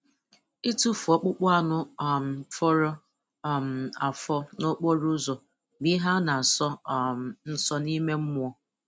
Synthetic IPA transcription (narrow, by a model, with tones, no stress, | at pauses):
i˦tu˦fɔ˨k͡pʊ˦k͡pʊ˦a˦˨nʊ˦˨m̩˨fɔ˦ɾɔ˦˨ | m̩˨a˨fɔ˦no˦k͡pɔ˦ɾʊ˦zɔ˨ | bi˦ɦa˦na˨sɔ˦˨ | n̩˦sɔ˦ni˦me˦m̩˦mʊ˦ɔ˦